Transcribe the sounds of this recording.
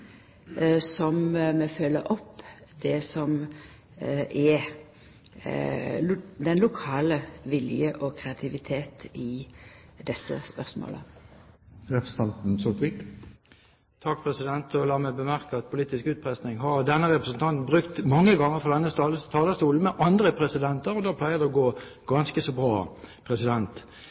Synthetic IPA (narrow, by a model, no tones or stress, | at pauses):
sɔmmɛfølːəɾɔpːd̪̥ɛsɔm | ʔɛ | d̪ɛnlʊkʰɑːləʋɪljəʔɔkʰɾɛɑt̪ʰɪʋɪt̪ʰeːt̪ɪ | d̪ɛsːə̰spœʁsmo̰ːlə̰ | ɾɛpɾəsɑnt̪n̩sɔt̪ʁɪk | t̪ʰɑkpʰʁɛsɪd̪ɛnt̪ʰɔlɑːmæbəmæʁkəɑt̪̚pʰʊliːt̪ɪskʉːt̪̚pʰʁɛst̪nɪŋɦɑʁd̪ɛnːəʁɛpʁəsn̩t̪ʰɑnt̪nbʁʉkt̪mɑŋːəɡɑŋːəʁfɔʁd̪ɛnːəst̪ɑlət̪ʰɑːləst̪uːln̩mɛʔɑnd̪ʁəpʰʁɛsɪd̪ɛnt̪əɾɔd̪ɑːpʰlæɪəʁd̪ɛɔɡoː | ɡ̥ɑnskəsɔbʁɑːpʰʁɛsɪd̪ɛnt̪